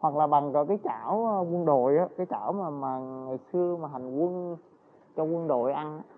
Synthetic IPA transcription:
hwa˨˩k̚laː˨˩ɓa˨˩ŋkəː˧˦kaː˨˦jt͡ɕaː˧˩wkwə˧nɗo̰˧˨jʔaː˨˦kaː˨˦jt͡ɕaː˧˩wmaː˨˩maː˨˩ŋɨ˨˩jsɨ˧əmaː˨˩ɦa˨˩jŋ̟kwə˧n | t͡ɕɔ˧kwə˧nɗo̰˧˨jʔa˧n˧˦

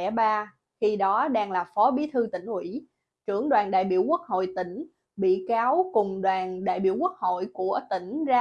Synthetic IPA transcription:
ɛ˧˩ɓaː˧ | xi˧ɗɔ˨˦ɗaː˧ŋlaː˨˩fɔ˨˦ɓi˨˦t̪ʰɨ˧t̪ï˧˩ŋ̟hwḭ˧˥ | t͡ɕɨ˧˩əŋɗwaː˨˩nɗa̰ː˧˨jɓḭ˧˨əwku˦˥ək̚ho̰˧˨jt̪ï˧˩ŋ̟ | ɓḭ˧˨kaː˨˦wkʊ˨˩ŋ͡mɗwaː˨˩nɗa̰ː˧˨jɓḭ˧˥əwku˦˥ək̚ho̰˧˨jku˧˩ət̪ï˧˩ŋ̟zaː˧

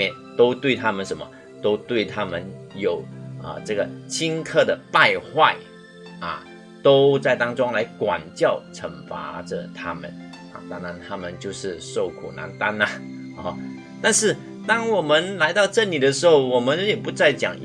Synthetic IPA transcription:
ɛ˥˨˩n | t̪o˥ʊt̪we˥˩ɪt̪ʰa˥mə˨nʂə˧˦nmə̰˨ | t̪o˥ʊt̪we˥˩ɪt̪ʰa˥mə˨njo˨˩ʊə̰˨ʈ͡ʂɤ˥˩ɡə˩t͡ɕʰi˥nkʰɤ˥˩d̪ə˩pa˥˧ɪxwa˥˩ɪ | ɐ̰˨˩ | t̪o˥ʊt͡sa˥˩ɪt̪ɑ˥ŋʈ͡ʂʊ˥ŋla˧˥ɪkwa̰˨˩nt͡ɕjɑ˥˩ʊʈ͡ʂʰə˧˥ŋfa̰˧˥ʈ͡ʂə̰˧t̪ʰa˥mə̰˨˦n | ɐ̰˨t̪a˥˩na˧˦nt̪ʰa˥mə˨nt͡ɕjo˥˧ʊʂɻ̩˥˧ʂo˥˩ʊkʰṵ˨˩na̰˧˥nt̪a˥nɐ˨˩ | t̪a˥˧nʂɻ̩˥˩ | t̪ɑ˥ŋwɔ˨˩mə˦nla˧˥ɪt̪ɑ˥˧ʊʈ͡ʂə˥˩nli˨˩d̪ə˦ʂɻ̩˧˥ho˥˩ʊwɔ˨˩mə˦njɛ˨˩pu˧˥t͡sa˥˩ɪt͡ɕjɑ̰˨˩ŋ

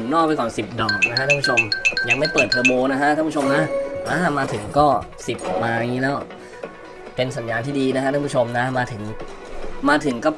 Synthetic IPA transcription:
nnɔː˥˩k̚pa˧jkɔː˨˩nsi˨˩p̚dɔː˨˩k̚na˦˥kʰa˥a˥˩pʰu˥t͡ɕʰo˧mjaː˨˩k̚ma˥˩jpəɤː˨˩t̪ʰːɤː˧boː˧na˦kʰa˦˥ʔ̪ʰa˥˩˧pu˥˩o˧mna˦˥ʔaː˧˩maː˧t̪ʰɯ˩˦ŋkɔː˥˩si˨˩p̚maː˧ʔa˧ŋiː˦˥lɛː˦˥w | pe˧nsa˩˦njaː˧t̪ʰiː˥˩diː˧na˦˥kʰa˥a˥˧˦pu˥t͡ɕʰo˧mna˦˥maː˧t̪ʰɯ˩˦ŋ | maː˧t̪ʰɯ˩˦ŋkɔː˥˩

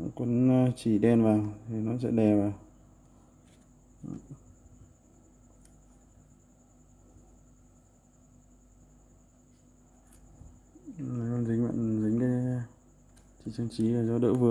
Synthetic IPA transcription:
ku˨˦n˧t͡ɕi˧˩ɗɛ˧nvaː˨˩wt̪ʰi˨˩nɔ˨˦sɛ̰˧˥ɗɛ˨˩vaː˨˩w | na˨˦jkɔ˧˦nzi˨˦ŋ̟wa̰˧˨nzi˨˦ŋ̟ɗə˧˦˧ | t͡ɕi˧˩t͡ɕɨ˧ŋt͡ɕi˨˦vaː˨˩zɔ˨˦ɗə̰ː˧˥vɨ˨˩ə

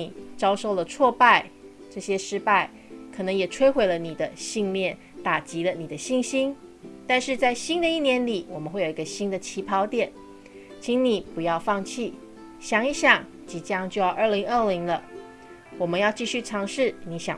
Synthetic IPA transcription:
i˨˩t͡sɑ˥ʊʂo˥˩ʊlə˩t͡sʰwɔ˥˧pa˥˧ɪ | ʈ͡ʂɤ˥˩ɕjɛ˥ʂɻ̩˥pa˥˩ɪ | kʰɤ˨˩nɤ˧˥ŋjɛ˨˩ʈ͡ʂʰwe˥ɪxwe˨˧˥ɪlə˦ni˨˩d̪ə˦ɕi˥˧ŋljɛ˥˩n | t̪a˨˩t͡ɕi˧˥lə˧ni˨˩d̪ə˦ɕi˥˩ŋɕi˥nt̪a˥˧nʂɻ̩˥˧t͡sa˥˩ɪɕi˥nd̪ə˨i˥˩njɛ˧˥nli˨˩wɔ˨˩mə˦nxwe˥˩ɪji˧˦ɡə˧ɕi˥nd̪ə˨t͡ɕʰi˧˥pʰɑ˧˥ʊt̪jɛ˨˩˦n | t͡ɕʰi˧˥ŋni˨˩pu˨˧˦jɑ˥˧ʊfɑ˥˧ŋt͡ɕʰi˥˩ | ɕjɑ˨˩ŋi˧˥ɕjɑ˨˩ŋ | t͡ɕi˧˥t͡ɕjɑ˥ŋt͡ɕjo˥˧ʊjɑ˥˧ʊʔə˥˩li˧˥ŋə˥˩li˧˥ŋlə˧ | wɔ˨˩mə˦njɑ˥˧ʊt͡ɕi˥˧ɕy˥˩ʈ͡ʂʰɑ˧˥ŋʂɻ̩˥˩ni˧˥ɕjɑ̰˨˩

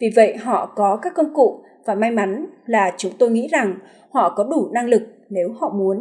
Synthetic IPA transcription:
vi˨˩və̰˧˨jɦɔ̰˧˨kɔ˨˦kaː˦˥kːə˧wŋ͡mkṵ˧˨ | vaː˨˩ma˧jma˨˦nlaː˨˩t͡ɕʊ˨˦ŋ͡mt̪o˧jŋḭ˧˥za˨˩ŋ | hɔ̰˧˨kɔ˨˦ɗu˧˩na˧ŋlɨ˨˩k̚ne˨˦whɔ̰˧˨mu˨˦ən

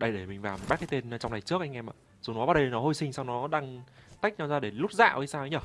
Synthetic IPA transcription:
ɗə˧jɗe˧˩mï˨˩ŋ̟vaː˨˩mɓa˦˥t̚kaː˨˦t̪e˧nː˨˩t͡ɕa˧wŋ͡mna˨˩jt͡ɕɨ˦˥ək̚ʔa˧ŋʔɛ˧mʔa̰ː˧˨ | zu˨˩˦nɔ˨˦ɓa˧˩ɗə˧˨nɔ˨˦ho˧jsï˧ŋ̟saː˧wnɔ˨˦ɗaː˧ŋt̪a˦˥jk̚ɲa˧˩zaː˧ɗe˧˩lu˦˥t̚za̰ː˧˨ʔə̰ː˨˧˦saː˧wə˨˦ɲə˧˩

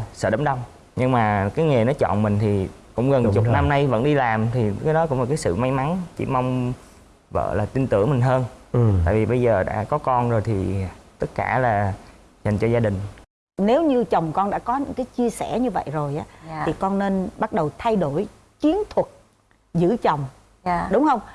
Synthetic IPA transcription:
sə̰ː˧˩ɗə˨˦ŋ͡mɗə˧wŋ͡m | ɲɨ˧ŋmaː˨˩kaː˨˦jŋe˨˩nɔ˨˦t͡ɕɔ̰˧˨nmï˨˩ŋ̟t̪ʰi˨˩ | kʊ̰˧˥ŋ͡mɣə˨˩n˨t͡ɕʊ˨˩t̚na˧mna˧jvə̰˧˥nɗi˧laː˨˩mt̪ʰi˨˩kaː˨˦jɗɔ˨˦kʊ̰˧˥ŋ͡mla˨˩kaː˨˦jsɨ̰˧˨ma˨˦jma˨˦nt͡ɕḭ˧˩ma˧wŋ͡m | və̰ː˧˨laː˨˩t̪i˧nt̪ɨ̰˧˩əŋmï˨˩ŋ̟ɦəː˧nt̪a̰ː˧˨jvi˨˩ɓə˧jzəː˨˩ɗa̰ː˧˥kɔ˨˦kɔ˧nzo˨˩jt̪ʰi˨˩t̪ɨ˦˥t̚kaː˧˩laː˨˩ | ɲa˨˩ŋ̟t͡ɕɔ˧zaː˧ɗï˨˩ŋ̟ | ne˨˦wɲɨ˧t͡ɕə˨˩wŋ͡mkɔ˧nɗa̰ː˧˥kɔ˨˦ɲɨ̰˧˥ŋkaː˨˦jt͡ɕi˧əsɛ˧˩ɲɨ˧və̰˧˨jzo˨˩jʔaː˨˦tʰi˨˩kɔ˧nːe˧nɓa˦˥t̚ɗə˨˩wt̪ʰa˧jɗo˧˩j | t͡ɕwi˨˦ənt̪ʰwə˨˩t̚ | zɨ̰˧˥t͡ɕə˨˩wŋ͡m | ɗʊ˨˦ŋ͡mhə˧wŋ͡m

